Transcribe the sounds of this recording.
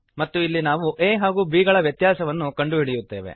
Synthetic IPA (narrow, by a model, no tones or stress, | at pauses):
mɐt̪ːuilːinaːʋuʔeːɦaːɡuːbiːɡɐɭɐʋjɐt̪jaːsɐʋɐnːukɐɳɖuɦiɽijut̪ːe̞ːʋḛ